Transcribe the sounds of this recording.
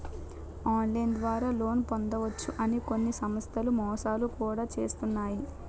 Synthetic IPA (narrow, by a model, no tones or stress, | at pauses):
aːnlɐjnd̪ʋaːɾaːlo̞ːnpond̪ɐʋɐt͡ʃːuʔɐniko̞nːisɐmɐst̪ʰɐlumɔːsaːlukuːɽaːt͡ʃe̞ːst̪unːaːji